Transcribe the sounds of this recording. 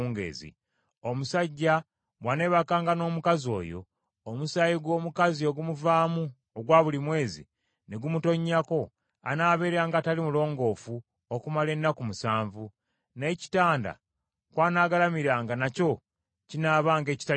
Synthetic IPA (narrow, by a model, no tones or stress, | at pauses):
ŋɡḛzḭ | o̞musaɟːa | βwane̞ːβakaːŋɡano̞ːmukazio̞̰ːjo̞̰ː | musajiɡwo̞ːmukazio̞ɡumuvaːmu | oɡwaːβulimwe̞ːzḭ | ne̞ɡumuto̞ɲːako̞ | a̰naːβe̞ːɾeɾaːŋɡatalimulo̞ːŋɡo̞ːfu | okumale̞nːakumusaːɱvu | ne̞ːci̥taːnda̰ | kwaːnaːɡalamiɾaːŋɡanaco̞ | cinaːβaːŋɡe̞ːci̥ta